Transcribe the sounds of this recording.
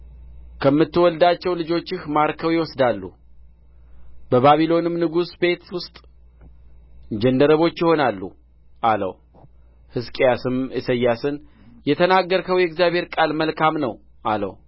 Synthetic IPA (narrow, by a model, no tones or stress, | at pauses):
kʰəmːɨt̪ːɨwɔld̪at͡ʃːɛwlɨd͡ʒo̞t͡ʃːɪhmaɾkʰəwjɪwɔsd̪alːṵ | bəβaβilo̞nɨmnɨɡusbe̞t̪wʊst̪ʼ | d͡ʒɛnd̪əɾəβo̞t͡ʃːjɪho̞nalːṵ | ʔalə̰w | hɨskʼejasɨmɨsəjːasɨn | jɛt̪ʰənaɡːəɾkʰəwjɛɡzjaβʱhe̞ɾkʼalməlkʰamnəw | ʔalə̰w